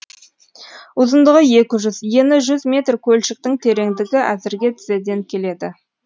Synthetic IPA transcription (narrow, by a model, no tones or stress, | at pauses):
ʊzənd̪əʁəje̞kʲɪʒʏzje̞nɪʒʏzmʲe̞t̪rkʲʰɵlʃɪk̚t̪ɪŋt̪ʰe̞ɾe̞ŋd̪ɪɡʲɪʔæzɪɾɡʲe̞t̪ʰɪ̥zed̪e̞ŋkʲʰe̞le̞d̪ɪ